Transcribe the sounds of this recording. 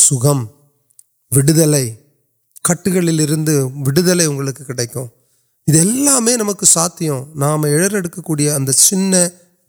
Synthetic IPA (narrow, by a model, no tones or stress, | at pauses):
sʊɣɐm | ʋɪɽɯðɐlɐɪ | kɐʈːɯɣɐɭɪlɪɾɯnd̪ɯʋɪɽɯðɐlɐɪʊŋɡɐɭɯkːɯkːɪɽɐɪkːʊ̰̃ | ɪðɛlːaːmeːnɐmɐkːɯsaːt̪ːɪjʊ̃naːmɐɛɻɐɾɛɽɯkːɐkːuːɽɪjɐːnd̪ɐt͡ʃɪnːɐ